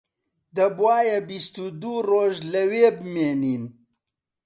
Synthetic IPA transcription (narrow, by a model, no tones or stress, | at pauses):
d̪ɐbwaːjebist̪ud̪uːroːʒlɐweːbɨmeːniːn